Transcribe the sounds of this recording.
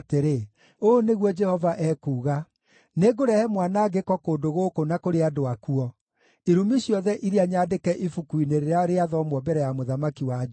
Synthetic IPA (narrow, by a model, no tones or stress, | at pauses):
teɾe | oneɣwɔd͡ʒɛhɔvaʔɛkuːɣa | neɡoɾɛhɛmwanaɡekɔkoːndoɣokonakoɾeadoakuɔ | eɾumiɕjɔðɛʔiɾeaɲaːdekɛʔifukuineɾeɾaɾeaðɔmwɔbɛɾɛjamoðamakiwa